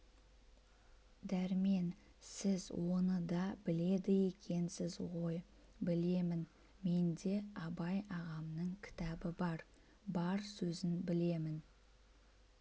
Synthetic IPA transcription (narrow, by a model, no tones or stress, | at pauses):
d̪æɾme̞n | sɪzwʔo̞nəd̪ɑbɪle̞d̪ɪje̞kʲʰe̞nsɪzʁo̞j | bɪle̞mɪn | me̞nd̪e̞ɑbɑjɑʁɑmnəɴkʲʰɪ̥t̪ɑbɪbɑɾ | bɑɾsɵzɪnbɪle̞mɪn